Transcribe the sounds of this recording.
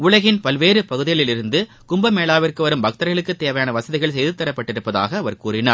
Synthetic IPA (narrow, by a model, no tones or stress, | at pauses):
ʊɭɐɣɪnpɐlʋeːɾɯpɐɣɯðɪjɐɭɪlɪɾɯnd̪ɯ | kʊmbɐmeːlaːʋɪrkɯʋɐɾɯmbɐk̚t̪ːɐɾɣɐɭɯkːɯt̪ːeːʋɐjaːnɐʋɐsɐðɪɣɐɭsɛjðɯt̪ːɐɾɐpːɐʈːɪɾɯpːɐða̰ːɣɐːʋɐɾkuːɾɪna̰ːɾ